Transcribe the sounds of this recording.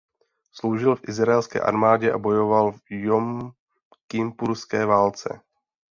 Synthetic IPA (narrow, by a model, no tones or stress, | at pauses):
slo̞wʒɪlfʔɪzɾaɛlskɛ̰ːʔa̰ɾmaːɟɛʔa̰bo̞jo̞valvjom | kɪmpuɾskɛːvaːlt͡sɛ̰